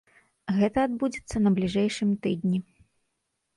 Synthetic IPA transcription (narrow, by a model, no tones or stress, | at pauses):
ɣɛt̪ɐːd̪̚bud͡zʲɛt̪sːɐnɐblʲiʐɛjʂɨmt̪ɨd̪ʲnʲi